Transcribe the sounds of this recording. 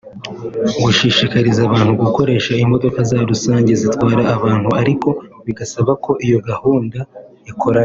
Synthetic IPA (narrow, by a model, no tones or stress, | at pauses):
ɡuʃiʃikaɾizaβaːn̥huɡuko̞ɾe̞ːʃaimo̞do̞kazaɾusaːɲɟe̞zitwaːɾaːβaːn̥huaɾiko̞βiɡasaβakʰo̞ʔijo̞ɡahuːnda | ikʰo̞ɾaa